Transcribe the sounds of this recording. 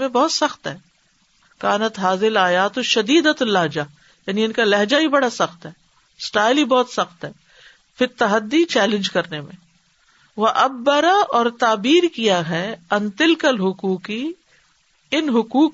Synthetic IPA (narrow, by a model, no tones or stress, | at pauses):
mẽbɔːt̪sɐxt̪ɦɛː | kaːnət̪ɦaːzɪlaːjat̪oʃɐd̪iːd̪at̪lɐɦd͡ʒa | jaːniɪnkalɐɦd͡ʒaɦibɐɽasɐxt̪ɦɛː | sʈaːɪlɦibɔːt̪sɐxt̪ɦɛː | fɪt̪ːɐɦəd̪ːit͡ʃɛːlɪ̃nd͡ʒkɐɾnemḛ̃ | ʋɐʔɐbːɐɾaʔɔːɾt̪aːbiːɾkijaɦɛɐ̃nt̪ɪlkəlɦʊkuːki | ɪnɦʊkuːk